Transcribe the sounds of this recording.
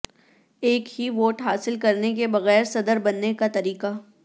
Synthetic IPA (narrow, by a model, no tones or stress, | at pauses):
eːkhiʋoːʈɦaːsɪlkɐɾnekebɐɣɛːɾsɐd̪əɾbɐnːekat̪ɐɾiːqa